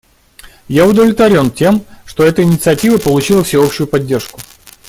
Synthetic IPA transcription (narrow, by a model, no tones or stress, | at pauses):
jaʊd̪əvlʲɪt̪vɐɾʲo̞ntʲe̞mʂt̪o̞ɛt̪əɪnʲɪt̪sɨɐtʲivəpəlˠʊt͡ɕilˠəfsʲɪo̞pɕʊjʊpɐdʲːe̞rʂkʊ̥